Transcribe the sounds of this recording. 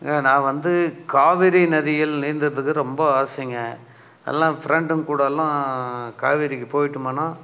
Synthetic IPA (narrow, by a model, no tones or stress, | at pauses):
aːnãːʋɐnd̪ɯkaːʋɪɾinɛðɪjɪlniːɾnd̪ɯɾɐðɯkːɯɾɔmbɐaːsɪŋɡɐ | ɛ̰lːãːfɪɾɛɳɖɯnkuːɽɐlːãːka̰ːʋɪɾɪkːɯpoːjɪʈːɯmɐnãː